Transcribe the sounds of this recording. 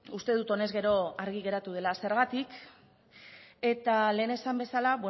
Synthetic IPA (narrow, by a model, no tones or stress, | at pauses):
ust̪e̞ð̞ut̪o̞ne̞zɣe̞ɾo̞aɾɣiɣe̞ɾat̪uð̞e̞lase̞ɾɣat̪ik | e̞t̪ale̞ːne̞sambe̞salaβwe